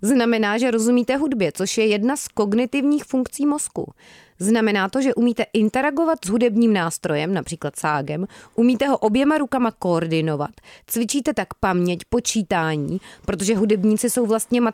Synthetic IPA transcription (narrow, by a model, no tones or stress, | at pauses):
znamɛnaːʒɛɾo̞zumiːt̪ɛɦudbjɛt͡so̞ʃjɛjɛdnasko̞ɡnɪt̪ɪvɲiːxfuŋkt͡siːmo̞skṵ | znamɛnaːt̪o̞ʒɛʔumiːt̪ɛʔɪnt̪ɛɾaɡo̞vat̪zɦudɛbɲiːmnaːst̪ɾo̞jɛmnapr̥iːklat̪saːɡɛmʔumiːt̪ɛɦo̞ʔo̞bjɛmaɾukamako̞ːɾdɪno̞va̰t̪t͡svɪt͡ʃiːt̪ɛt̪akpamɲɛcpo̞t͡ʃiːt̪aːɲiːpɾo̞t̪o̞ʒɛɦudɛbɲiːt͡sɪso̞wvlast̪ɲɛma